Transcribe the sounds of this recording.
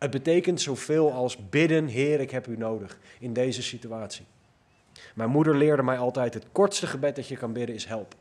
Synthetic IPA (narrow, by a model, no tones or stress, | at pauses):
ɦəd̚bətejkəntsowv̥ɪːlˠɑlˠsbɪdənɦɪːrɪkɦɛpynowdəχɪndejzəsityaːtsi | mɛjnmudəɹlɪːɹdəmɛjɑlˠtɛjtɦətkɔɹtstəχəbɛt̚dɑtjəkɑnbɪdənɪsɦɛlˠp